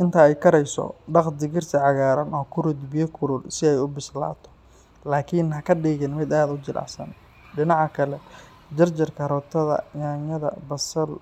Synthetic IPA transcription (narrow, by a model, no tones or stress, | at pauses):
ʔɪnt̪ʰɐɛjkʰɐɾɛjsɔ̰ɖɑqd̪ɪɣɪrt̪ʰɪʕɑɣaːɾɐnɔːkʰʊɾʊd̪bɪjɔkʰʊlʊlsɪɛjʊbɪsla̰ːt̪ʰɔ̥ | laːkʰinhɐkʰɐɖiːɣɪnmɪd̪aːd̪ʊt͡ʃɪlʔɑ̰sɐ̰n | ɖɪnɑʕɑkʰɐlɛ | d͡ʒɐrt͡ʃɪrkʰɐɾɔːt̪ʰɐðɐ̰jaːɲɐðɐ̰bɐsɐl